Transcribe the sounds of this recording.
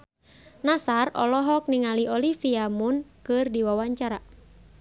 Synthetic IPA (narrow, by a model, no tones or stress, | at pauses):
nasarɔ̰lɔɦɔk̚niŋaliɔlifiamʊnkɨrdiwawaɲt͡ʃaɾa